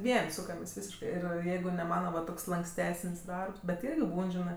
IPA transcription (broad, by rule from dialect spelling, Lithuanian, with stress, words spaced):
ˈʋʲiɛnʲ ˈsuːkɐmʲeːsʲ ˈʋʲiːsʲɪʃkɜ ˈɪr ˈjɛɪɡʊ nʲɛ ˈmɑːnɐ ʋɐ ˈtoːks lˠɐŋksʲˈtʲæːsənʲsʲ ˈdɐrps bʲɛt ˈɪrʲɡʲɪ ˈbuːn ˈʒʲɪnɜ